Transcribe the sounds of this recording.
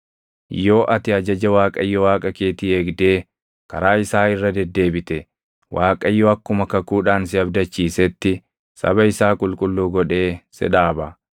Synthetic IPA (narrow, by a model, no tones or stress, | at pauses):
jo̞ːʔɐt̪ɪɐd͡ʒɐd͡ʒɐwaːkʼɐjːɔwaːkʼɐke̞ːt̪ie̞ːɡd̪e̞ː | kɐ̰ɾaːɪsaːɪrːɐd̪ɛd̪ːe̞ːbɪt̪ɛ | wʔaːkʼɐjːɔɐkːʊmɐkɐkuːᶑaːnsɪɐbd̪ɐt͡ʃːiːsɛt̪ːɪ | sɐ̰bɐɪsaːkʼʊlkʼʊlːuːɡɔᶑe̞ːsɛ̰ᶑaːbɐ